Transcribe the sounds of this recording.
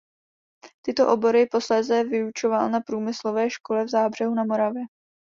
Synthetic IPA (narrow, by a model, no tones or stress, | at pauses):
t̪ɪt̪o̞ʔo̞bo̞ɾɪpo̞slɛːzɛvɪut͡ʃo̞valnapɾuːmɪslo̞vɛːʃko̞lɛvzaːbr̝̥ɛɦunamo̞ɾavjɛ